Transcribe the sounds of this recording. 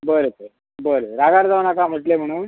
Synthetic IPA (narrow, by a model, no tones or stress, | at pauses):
bəɾotəɾ | bəɾtəɾaɡaɾd͡zaʋnakam̤əʈlem̤əɽ̃uːn